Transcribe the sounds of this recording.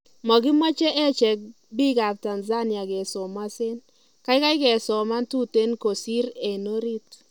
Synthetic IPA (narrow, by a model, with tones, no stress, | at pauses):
mɔ˨ɡɪ˦mɔ˦t͡ʃɛ˦ʔɛ˦t͡ʃɛ˨k̚ | bi˦ɡa˨b̚ta˨nza˦nɪ˨a˨ɡɛ˨sɔ˨ma˦sɪ˦n | ka˦ɪ˦ka˦ɪ˦kɛ˨sɔ˨ma˦ntu˦te˦nko˨si˦ɾe˨no˦ɾi˦t